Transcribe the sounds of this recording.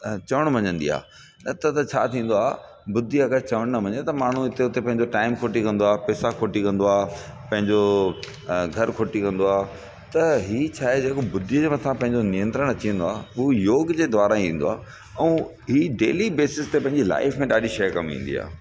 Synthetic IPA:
t͡ɕɐʋəɽ̃ʋɐ̃ɲə̃nd̪ḭa̰ː | nɐt̪ɐt̪ɐt͡ɕʰa̰ːt̪ʰĩːn̆d̪oaːɦ | bʊd̪ʱiɐɡəɾt͡ɕɐʋəɽ̃nɐʋɐ̃ɲət̪ɐmaːɳ̤ũɪt̪eʊt̪epɐ̃ɦɪ̃ɲd͡ʑoʈaːɪmkʰoːʈikɐ̃n̆d̪oaːpɛːsakʰoːʈikɐ̃nd̪oaː | pɐ̃ɦɪ̃ɲd͡ʑo | ɡʱɐɾkʰoːʈikɐ̃nd̪oaː | t̪ɐɦiːt͡ɕʰaːɦed͡ʑeːkobʊd̪ʱijəd͡ʑmɐ̃t̪ʰãpɐ̃ɦɪ̃ɲd͡ʑonijə̃nt̪ɾəɽ̃ɐt͡ɕiə̃nd̪oaːujoːɡd͡ʑeːd̪ʋaːɾaĩĩːn̆d̪oa̰ː | ɛ̃ː | ɦiːɖeːlibeːsɪst̪epɐ̃ɦɪ̃ɲd͡ʑila̰ːɪfmẽɗaːɗiʃɐjkɐmḭ̃ːn̆d̪ḭa̰ː

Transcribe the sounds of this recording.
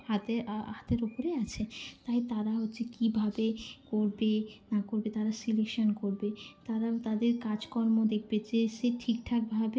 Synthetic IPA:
hat̪eɦat̪eɾopoɾeat͡ɕʰet̪ajt̪aɾaɦot̪ːɕʰekibʱabekoɾbenakoɾbet̪aɾasilekʃonkoɾbet̪aɾat̪ad̪eɾkad͡ʑkɔɾmod̪ek̚ʰbed͡ʑeʃeʈʰikʈʰak̚bʱabe

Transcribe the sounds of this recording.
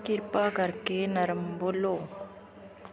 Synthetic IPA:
kɪɾpaːkɐɾkeːnɐɾɐmboloː

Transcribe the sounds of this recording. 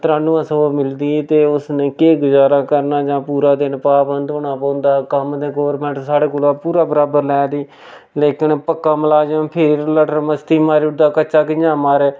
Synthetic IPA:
t̪əɾaːnũːãːsəomɪld̪iːt̪eːʊsnẽːkeːɡʊzaːɾaːkəɾnaːd͡ʒãːpuːɾaːd̪eːnpaːbənd̪oːɽaːpɔ̃ːnd̪aːkəmd̪eːɡoːʋəɾmɛ̃ːɳʈsaːɽeːkʊlaːpuːɾaːbəɾaːbəɾlɛːd̪iː | leːkɪnpəkːaːməlaːd͡ʒãːpʰɪɾləʈəɾməst̪iːmaːɾiːʊd̪aːkəːʃaːkɪɲãːmaːɾeː

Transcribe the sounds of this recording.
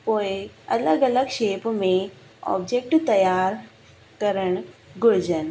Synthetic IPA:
pojə̰ləɡələɡɕepme | ɔ̰bd͡ʑek̚ʈt̪əjaɾ | kəɾəɳɡʱoɾd͡ʑən

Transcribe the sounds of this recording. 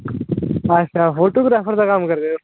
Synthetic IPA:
əɕafoʈuɡɾafəɾt͡sakamkəɾt̪e

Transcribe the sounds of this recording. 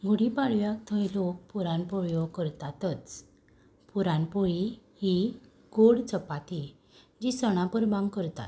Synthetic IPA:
ɡoɽipaɭʋjakt̪ʰə̃jlok̚puɾãnpɔjɔɡkəɾt̪at̪ət͡s | puɾãnpɔɭi | hi | ɡ̥oɽt͡səpat̪i | d͡ʑisəɽ̃ãpəɾbãŋɡkəɾt̪a̰t̪

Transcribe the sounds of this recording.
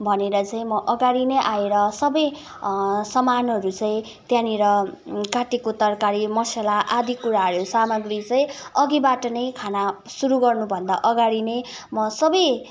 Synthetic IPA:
bʱʌneɾʌt͡sãĩmʌʔʌɡaɽinʌjʔaeɾʌsʌbʌj | sʌmanʌɾut͡sãĩ | t̪jãniɾʌkaʈikot̪ʌrkaɾimʌselaʔad̪ʱikːuɾaɦʌjosamʌɡrit͡sʌĩʌɡibaʈʌnʌjkʰanasuɾuɡʌrnubʱʌnd̪aʔʌɡaɽine | mʌsʌbʌj

